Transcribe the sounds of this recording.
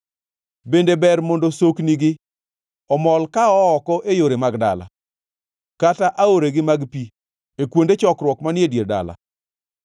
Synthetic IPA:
bendebɛɾmɔndosokniɡɪ | ɔmɔlkaɔːkɔʔejoɾemaɡda̰la̰ | kataʔaoɾeɡɪmaɡpi | ekwondet͡ʃɔkɾwɔkmanɪedjerda̰la̰

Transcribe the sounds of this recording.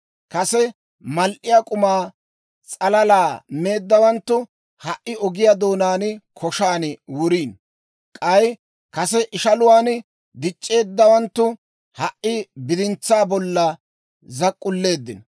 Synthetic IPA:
kɐsɛ | mɐlʔɪjaːkʼʊmaː | t͡sʼɐlɐlaːme̞ːd̪ːɐwɐnt̪ːʊ | hɐʔʔɪɔɡɪjad̪o̞ːnaːnkʰɔʃaːnwʊɾiːn | kʼɐj | kɐsɛʔɪʃɐlʊwaːn | d̪ɪt͡ʃʼːe̞ːd̪ːɐwɐnt̪ːʊ | hɐʔɪbɪd̪ɪnt͡sːaːbɔlːɐ | zɐkʼːʊlːe̞ːd̪ːɪnɐ

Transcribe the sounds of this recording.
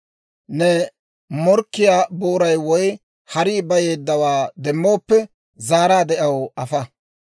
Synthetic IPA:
nɛ | mɔɾkːɪjaːboːɾɐjwɔj | hɐɾɪːbɐje̞ːd̪ːɐwaːd̪ɛmːo̞ːpːɛ | zaːɾaːd̪ɛʔɐwɐfɐ

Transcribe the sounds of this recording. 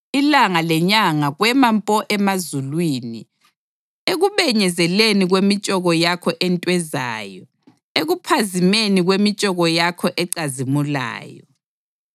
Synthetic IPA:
ilaŋalɛɲaŋaɣwɛmampʼɔʔɛmazulwinḭ | eɣuβɛɲɛzɛleniɣwemit͡ʃʼɔɣɔjakʰɔʔɛntʼwɛza̰ːjɔ | eɣupʰazimeniɣwemit͡ʃʼɔɣɔjakʰɔʔɛǀazimula̰ːjɔ

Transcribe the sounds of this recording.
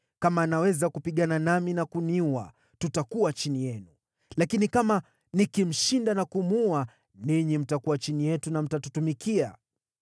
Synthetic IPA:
kamaːnawɛzakupiɠananaminakuniuwa̰ | tutakuwat͡ʃinijɛnu | lakinikama | nikim̩ʃindanakumua | niɲim̩takuwat͡ʃinijɛtunam̩tatutumikia

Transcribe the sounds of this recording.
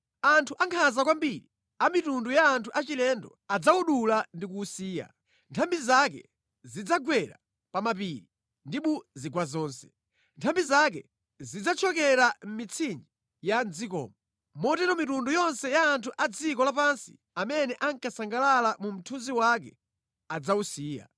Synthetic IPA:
antʰuʔaŋkʰazakwambiɾi | amitundujaːntʰuʔat͡ʃilɛndɔ̰ | ad͡zauɗulandikusiːja̰ | ntʰambizak̬ɛ̰ | zid͡zaɡwɛɾa | pamapiːɾi | ndiɓuziɡwazɔːnsɛ̥ | ntʰambizak̬ɛ̰ | zid͡zat͡ʃʰɔkɛɾam̩mit͡sʰind͡ʒi | jand͡zikɔ̰ːmɔ | mɔtɛɾɔmitundujɔnsɛjaːntʰuʔad͡zikɔlap̬ansḭ | amɛnɛʔaŋkasaŋɡalalamum̩tʰunziwak̬ɛ | ad͡zausiːja̰

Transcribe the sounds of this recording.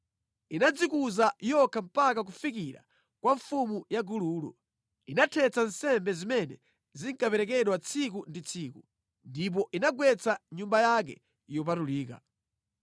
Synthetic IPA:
inad͡zikuzajɔkʰam̩pakak̬ufikiɾa̰ | kwaɱfumujaɡuluːlṵ | inatʰɛt͡sansɛmbɛzimɛnɛ̰ | ziŋkapɛɾɛk̬ɛɗwat͡sʰik̬undit͡sʰiku | ndip̬ɔʔinaɡwɛt͡sʰaɲumbajak̬ɛ̰ | jɔp̬atuliːka̰

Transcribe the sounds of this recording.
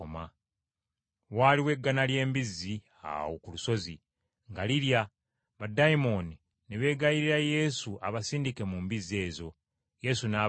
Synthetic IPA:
oma | waːliwe̞ɡːanalje̞ːmbizːi | a̰wokuluso̞zi | ŋɡaliɾja | βadajimo̞ːni | neβe̞ːɡajiɾiɾaje̞suʔa̰βasiːndike̞mumbize̞ːzo̞ | je̞sunaː

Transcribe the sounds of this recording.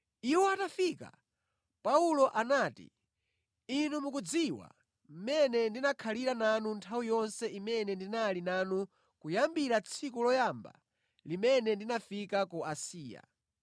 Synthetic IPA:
iwɔatafika̰ | paulɔʔanaːtḭ | inumukud͡ziwa̰ | m̩mɛnɛndinakʰaliɾananuntʰawijɔnsɛimɛnɛndinalinanu | kujambiɾat͡sʰikulɔjamba̰ | limɛnɛndinafikakuasiːja̰

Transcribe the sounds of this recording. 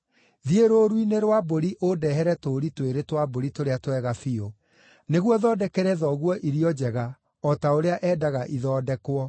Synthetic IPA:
ðieɾoɾwineɾwaboɾiʔodɛɦɛɾɛtoɾitweɾetwaboɾitoɾeatwɛɣafio | neɣwɔðɔːdɛkɛɾɛðɔɣwɔʔiɾiɔd͡ʑɛɣa | ɔtaoɾeaʔɛːdaɣaʔiðɔːdɛkwɔ

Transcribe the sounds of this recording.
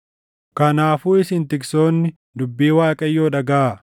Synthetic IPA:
kɐnaːfuːɪsɪnt̪ɪkso̞ːnːɪ | d̪ʊbːiːwaːkʼɐjːo̞ːᶑɐɡɐa

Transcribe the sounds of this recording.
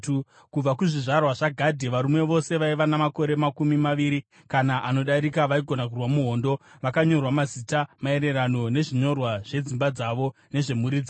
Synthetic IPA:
kub͡vakuʐiʐarwaʐaɡʱadʱeʋaɾumwe̞ʋo̞se̞ʋaiʋanamako̞ɾe̞makumimaʋiːɾi | kanaʔano̞ɗaɾikaʋaiɡʱo̞nak̬urwamuɦo̞ːndo̞ʋakaɲo̞rwamazitamae̞ɾe̞rano̞ne̞ʐiɲo̞rwaʐ̥e̞d͡zimbad͡zaʋo̞ | ne̞ʐe̞muɾid͡zi

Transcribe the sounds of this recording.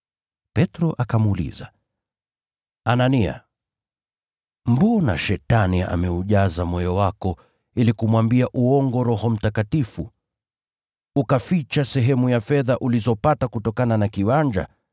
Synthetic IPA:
pɛtɾɔʔakamuːlḭza | anania̰ | mbuɔna̰ʃɛtania̰mɛuʄazamɔjɔwakɔ | ilikumwambiaʔuɔŋɡɔɾɔhɔm̩takatifu | ukafit͡ʃasɛɦɛmujafɛðaʔulizɔpatakutɔkananakiwaɲd͡ʒa̰

